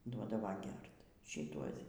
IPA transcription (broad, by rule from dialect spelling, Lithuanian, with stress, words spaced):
ˈduɔdɐʋɐ ˈɡʲɛrt ʃʲɪˈtuɔs